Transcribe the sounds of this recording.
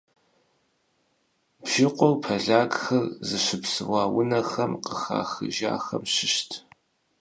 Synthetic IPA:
bʒɪqʷʼɔrpʰɐɮaːɡxɐrzɨʃɪpsɨʁʷɑːwʊnɐxɐmqəxa̰ːxɨ̰ʒa̰ːxɐ̰mɕɪʃtʰ

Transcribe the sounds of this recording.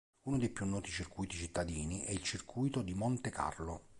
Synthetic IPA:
uːnod̪ejpjunːɔːt̪it͡ʃirkuːjt̪it͡ʃit̪ːad̪iːniʔɛilt͡ʃirkʰujt̪od̪imont̪ekʰa̰rlo

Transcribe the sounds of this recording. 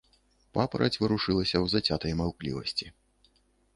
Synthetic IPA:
papɐɾɐ̰t͡sʲvɨɾuʂɨlˠɐsʲɐwzat͡sʲat̪ɐjmawklʲḭvɐsʲt͡sʲi

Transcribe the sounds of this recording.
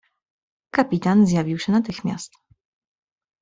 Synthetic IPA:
kapʲit̪anzjavʲiwɕɛnat̪ɘxmʲja̰st̪

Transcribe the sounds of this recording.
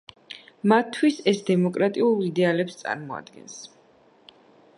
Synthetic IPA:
mat̪ʰːwisɛsd̪ɛmɔkʼɾat̪ʼiulˠid̪ɛalɛpst̪sʼa̰ɾmɔa̰d̪ɡɛ̰ns

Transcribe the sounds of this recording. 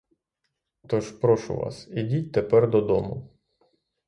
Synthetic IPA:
t̪ɔʒpɾɔʃʊ̰ʋɑ̰sidʲitʲt̪epɛrd̪ɔd̪ɔmʊ

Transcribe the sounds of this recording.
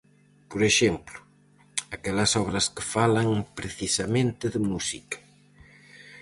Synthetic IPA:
poɾeʃemplʊ | akɛlɐsɔβɾɐskɪfalɐŋpɾeθisɐmẽnt̪ɪðɪmusikɐ̥

